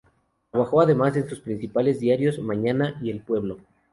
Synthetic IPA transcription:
t̪ɾaβaxo̞aðe̞mase̞nsuspɾinsipale̞zðjaɾjo̞zmãɲanaie̞lpwe̞βlo̞

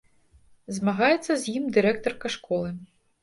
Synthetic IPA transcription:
zmɐɣɑjɛt̪sːɐzʲjimd̪ɨɾɛk̚t̪ɔrkɐʂkʰɔlˠɨ

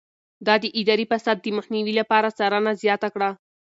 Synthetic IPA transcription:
d̪ɑd̪əʔɪd̪ɑɾipasad̪̚ːəmaxniwilapɑɾasaɾanazjɑt̪akɽa

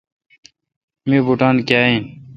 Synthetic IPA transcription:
mibuʈaːnkjaːĩn

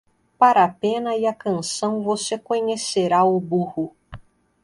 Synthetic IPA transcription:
paɾapẽnɐiɐkɐ̃nsɐ̃w̃vosekõɲeseɾaubuhu

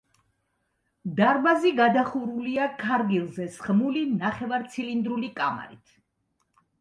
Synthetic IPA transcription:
d̪aɾbaziɡad̪aχuɾuliakʰaɾɡilˠzɛsχmulinaχɛvaɾt̪sʰilind̪ɾulikʼa̰ma̰ɾḭt̪ʰ

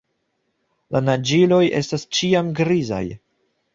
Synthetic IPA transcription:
lanad͡ʒilo̞jʔe̞̰stast͡ʃiamɡɾiza̰j

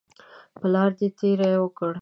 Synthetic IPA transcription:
pəlɑɾd̪et̪eɾajwəkəɽ

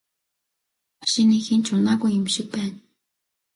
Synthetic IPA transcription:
aʃinixint͡ɕʰʊnaɣujɪmʃɪ̆k̚pæːn

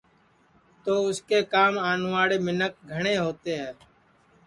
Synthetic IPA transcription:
t̪oːʊskeːkaːmaːnʋaːɽeːmɪnək̚ɡʱəɳeːɦoːt̪eːɦɛː

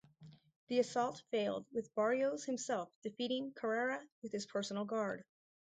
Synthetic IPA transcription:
ðiɨsɔlˠtfeɪlˠd̚wɨðbɑɹioʊz̥hɨ̃msɛlˠfd̥ɨfiɾɪ̃ŋkʰə˞ɛɹɨwɨð̥ɨz̥pʰɜ˞sn̩l̩ˠɡɑɹd̥

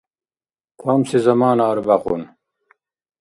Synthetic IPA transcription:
kʰamsizɐmaːnaːɾbɐqṵn

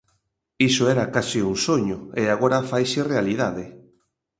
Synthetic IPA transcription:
isoɛɾakasiuŋsoɲʊeaɣoɾafajserealið̞aðɪ

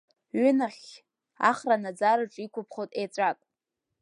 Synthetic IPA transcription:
ɥʏnaχʲ | a̰χranad͡zaɾɨʈ͡ʂʼikʷʰʊpʰχotʼet͡sʷʼakʼ

